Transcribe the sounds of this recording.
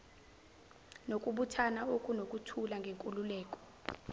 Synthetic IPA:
nokʼuɓutʰanaokʼunokʼutʰulaŋɡʱeŋkʼululɛːk̬ʼɔ̥

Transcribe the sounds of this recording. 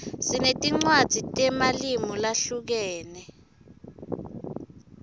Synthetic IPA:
sinetʼiŋ͡ǀwad̥z̥ʱitʼɛmalimulaɬuk̬ɛːnɛ

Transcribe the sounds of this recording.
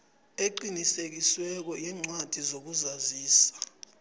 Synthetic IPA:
eǃinisek̬iswɛk̬ɔjɛːŋ͡ǀwad̥ʱizok̬uzaziːsḁ

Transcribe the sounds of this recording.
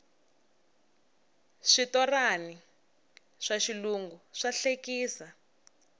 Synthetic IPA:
ʂitɔrani | ʂaʃiluŋɡuʂaɬekiːsa

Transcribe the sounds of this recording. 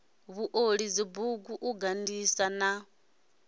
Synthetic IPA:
βuʔoɺid͡zibuɡuʔuɡandisana

